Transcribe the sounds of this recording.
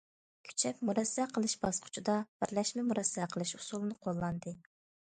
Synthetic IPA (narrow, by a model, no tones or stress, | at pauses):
kʲʰy̥t͡ʃʰɛpmuɾɛsːɛqʰəlˠɨʃbɑsqʰʊ̥t͡ʃʰud̪ɑb̥ɪɾlɛʃmɛmuɾɛsːɛqʰəlˠɨʃusulˠɨnɨqʰolˠːɑnd̪ɨ